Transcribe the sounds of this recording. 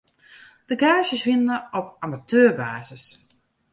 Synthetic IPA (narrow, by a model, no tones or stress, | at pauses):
d̥əɡaːʃjəsʋɪnəɔp̚amatʰøːrbaːzəs